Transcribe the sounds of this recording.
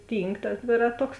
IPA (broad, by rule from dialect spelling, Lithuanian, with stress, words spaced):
ˈtʲiːŋk tɐs ˈdʲʋʲeːrɐˌtoːks